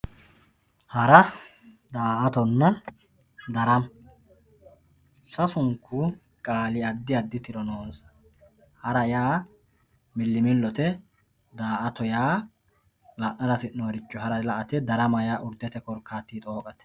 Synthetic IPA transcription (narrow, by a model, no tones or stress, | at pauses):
hɐɾɐ | d̪aːʔɐt̪ɔnːɐ | d̪ɐɾɐm | sɐsʊŋkːu | kʼaːlɪɐd̪ːɪɐd̪ːɪt̪ɪɾɔnoːnsɐ̥ | hɐɾɐjaː | mɪlːɪmɪlːɔt̪ɛ | d̪aːʔɐt̪ɔjaː | lɐʔnɐnɐsɪnnoːɾɪt͡ʃːɔhɐɾɐlɐʔɐt̪ɛd̪ɐɾɐmɐjaːʔʊɾd̪ɛt̪ɛkɔɾkʰːaːt̪ːiːt̪ʼo̞ːkʼɐt̪ɛ̥